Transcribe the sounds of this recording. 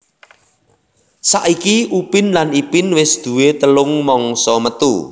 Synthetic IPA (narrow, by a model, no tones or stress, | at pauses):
saʔikiʔupɪnlanipɪnwɪsd̪̥ṳwet̪əlʊŋmɔŋsɔmət̪ṵ